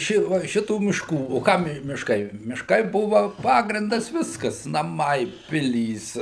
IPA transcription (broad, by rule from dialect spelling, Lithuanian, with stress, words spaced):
ˈʃʲɪ ʋɐ ˈʃʲɪtuː mʲɪʃˈkuː oː ˈkɐm mʲɪʃˈkɐɪ mʲɪʃˈkɐɪ ˈbʊʋɐ ˈpɑːɡrʲɪndɐs ˈʋʲɪskɐs nɐˈmɐɪ ˈpʲɪlʲiːs